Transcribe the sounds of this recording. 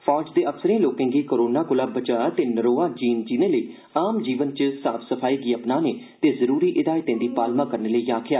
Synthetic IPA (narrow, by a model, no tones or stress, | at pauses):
pʰɔːd͡ʒd̪eːəfsəɾẽːloːkẽːɡiːkəɾoːnaːkʊlaːbət͡ʃaːt̪eːnəɾoːaːd͡ʒiːnd͡ʒiːnẽːləiː | aːmd͡ʒiːʋənt͡ʃəsaːpʰsəpʰaːiːɡiːəpnaːneː | t̪eːzəɾuːɾiːʔɪd̪aːɪt̪ẽːd̪iːpaːlmãːkəɾneːləiːaːkʰɪjaː